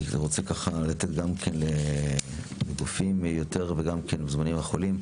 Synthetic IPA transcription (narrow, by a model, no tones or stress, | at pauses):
ʁot͡sekaχalat̪et̪ɡamkʰenle | leɡufimjot̪eʁveɡamkʰenbezmanimaχolim